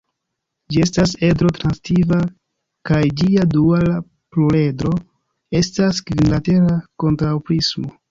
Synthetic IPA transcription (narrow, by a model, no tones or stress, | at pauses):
d͡ʒie̞stase̞dɾo̞tɾanstiva | kajd͡ʒiaduala | pluɾe̞dɾo̞ | e̞staskvinlate̞ɾako̞ntɾawpɾismo